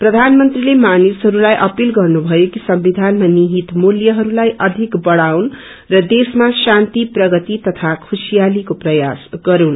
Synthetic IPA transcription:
prʌd̪ʱanmʌnt̪rilemanisɦʌɾulajʔʌpilɡʌrnubʱʌjokisʌmbid̪ʱanmaniɦit̪muljʌɦʌɾulajʔʌd̪ʱikbʌɽawn | rʌd̪esmasant̪iprʌɡʌt̪it̪ʌt̪ʰakʰusijalikoprʌjasɡʌɾun

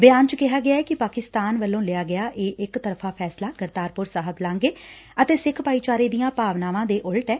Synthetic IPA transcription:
bɪjaːnt͡ʃkɪɦaːɡɪjaːɛːkɪpaːkɪst̪aːnʋəlːõːlɪjaːɡɪjaːʔeːʔɪkt̪əɾpfʰaːpʰɛːslaːɡəɾt̪aːɾpʊɾsaːɦəblãːŋɡeː | ət̪eːsɪkʰpaːiːt͡ʃaːɾeːd̪ijãːpaːʋnaːʋãːd̪eːʔʊlʈɛː

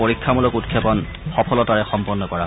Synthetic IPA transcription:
oɹikʰːamulɔkutkʰjɛpɔn | xɔpʰɔlɔtaɹɛxɔmpɔnːɔkɔɹa

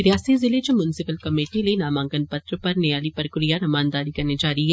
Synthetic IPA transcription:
ɾɪjaːsizɪlet͡ʃmjʊnɪsɪpəlkɐmeːʈilenaːmãːŋɡənpɐt̪ɾəpɐɾnejaːlipɾəkɾijanɐmaːnd̪aːɾikɐɾned͡ʒaːɾiɦɛ

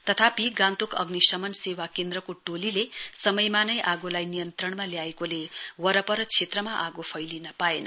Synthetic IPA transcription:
t̪ʌt̪ʰapiɡãnt̪ukʌ̰ɡnisʌmʌnsewakend̪rʌkoʈolilesʌmʌjmanʌjʔaɡolajnijʌnt̪rʌɳmaljaekolewʌɾʌpʌɾʌt͡sʰet̪rʌmaʔaɡopʰʌjlinʌpaenʌ̰

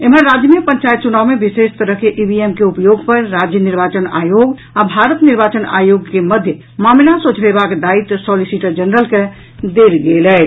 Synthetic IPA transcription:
emənɾad͡ʒjəmepəɲt͡ʃajt̪̚t͡ʃunaʋmebisest̪əɾəɦkeʔibiemkeupəjoɡpəɾːad͡ʒjəniɾbat͡ʃəna̰joɡ | abʱaɾət̪niɾbat͡ʃəna̰joɡkeməd̪ʱjə | mamlasot͡ʃʰbebakd̪ait̪sɔlisiʈəɾd͡ʒənɾəlke | d̪eɾɡelɛ

